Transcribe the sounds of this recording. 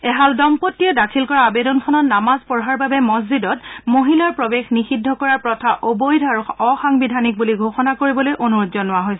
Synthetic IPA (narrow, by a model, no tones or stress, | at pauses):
ɛɦaldɔmpotːijɔdakʰilkɔɹaabedɔnkʰɔnɔt̚namazpɔɹɦaɹbabɛmɔzidɔtmoɦilaɹpɹobexnixidʱːɔkɔɹaɹpɹɔtʰaʔobojdʱɔaɹuɔxaŋbidʱanik̚buliɡʱoxɔnakoɹibɔlojʔonuɹɔtzɔnʊwaɦojsɛ